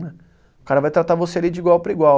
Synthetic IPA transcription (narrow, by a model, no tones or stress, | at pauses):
nɛ | ʊkaɾɐvajt̪ɾat̪avosealid͡ʒɪiɡwawpɾɐiɡwa